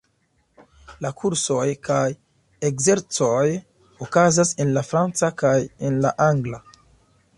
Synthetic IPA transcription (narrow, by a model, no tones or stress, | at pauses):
lakʰuɾso̞jkaj | ekze̞ɾt͡so̞j | okazase̞nlafɾant͡sakajenlaʔaŋɡla